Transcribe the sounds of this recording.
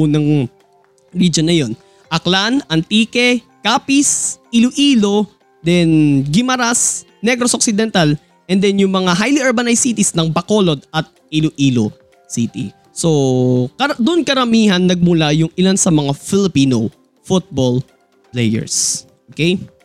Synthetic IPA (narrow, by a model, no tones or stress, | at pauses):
uːnɐŋ | ɹid͡ʒonːɐjo̞n | ʔɐklanɐnt̪iːkɛ | kaːpisilʊʔiːlo̞ | d̪ɛnɡɪmɐɾas | nɛɡɾosok̚sɪd̪ɛnt̪al | ʔɛnd̪ɛnjʊŋmɐŋaɦajliɛɹbɐnajsit̪ɪsnɐŋbɐko̞ːlo̞d̪̚ɐt̪̚ʔilʊʔiːlo̰ | sit̪ḭ | so̞kɐd̪ʊʔonkɐɾɐmiːhɐnːɐɡ̚mʊlajʊŋʔɪlansɐmɐŋafɪlɪpiːno | fut̪̚bol | plɛjɛ̰ɹsʔokej